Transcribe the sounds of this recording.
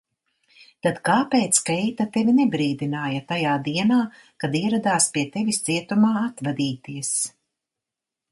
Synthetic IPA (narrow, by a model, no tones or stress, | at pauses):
t̪ad̪̥kaːpeːt̪skɛjt̪at̪evʲinɛbɾiːd̪inaːjɐt̪ajaːd̪iɛnaː | kad̪iɛɾad̪aːspiɛt̪evist̪siɛt̪umaːat̪vad̪iːt̪iɛs